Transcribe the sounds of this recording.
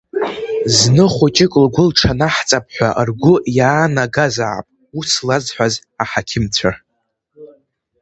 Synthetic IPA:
znɨχʷut͡ʃʼɪkʼlɡʷʊlʈ͡ʂʰanaħt͡sʼap̚ʰħʷa̰ʔrɡʷʊjaːnaɡaza̰ʕ̰pʼ | uslad͡zħʷaz | aħakʲʰɪmt͡sʷʰa

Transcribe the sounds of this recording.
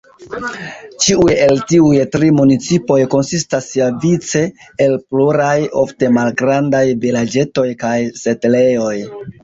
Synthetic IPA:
t͡ʃiuje̞ltiujtɾimunit͡sipo̞jko̞nsistasiavit͡se̞ːlpluɾajo̞fte̞malɡɾandajvilad͡ʒe̞to̞jkajse̞tele̞jo̞j

